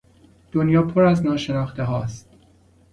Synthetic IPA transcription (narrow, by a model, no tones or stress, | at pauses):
d̪̥onjɒːpʰoɾæznɒːʃe̞nɒːxt̪eɦɒːst̪